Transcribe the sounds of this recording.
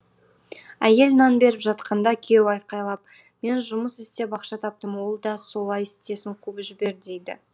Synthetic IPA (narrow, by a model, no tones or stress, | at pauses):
æje̞lnɑnbe̞ɾɪpʒɑt̪qɑnd̪ɑkʲʰe̞wɑjqɑjlˠɑp̚ | me̞nʒʊməsest̪e̞bɑqʃɑt̪ʰɑp̚t̪əmwo̞lˠd̪ɑso̞lˠɑjɪst̪e̞sɪɴqʰubʒɪbe̞ɾd̪ejd̪ɪ̰